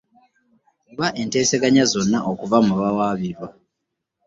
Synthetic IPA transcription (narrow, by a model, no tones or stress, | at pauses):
kuβaʔe̞nte̞ːseɡaɲazo̞nːaʔokuvamuβawaːβiɾwa